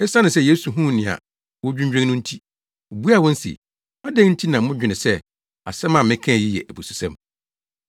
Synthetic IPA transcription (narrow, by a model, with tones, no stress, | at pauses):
ɛ˦sa˦nʊ̃˨sɛ˦˨jeː˦su˨ɦũ˦˨nɪ̃˨a̰˨ | wɔ˦d͡ʑᶣũ˦ɲ˦d͡ʑᶣɛ̃˦nʊ̃˦n̩˦tʰi˦ | o˨bu˦a˨wɔ̃˦n̩˦sḭ˨ | a˦dɛ̃˦ŋn̩˦tʰi˦nã˨mʊ̃˦d͡ʑᶣɪ˨nɪ̃˨sɛ˦ | a̰˨sɛ˦mã˨mɪ̃˦kʰɛ̃˦˨ji˦jɛ̰˨ʔæ˨bu˨su̥˨sɛ̃˦m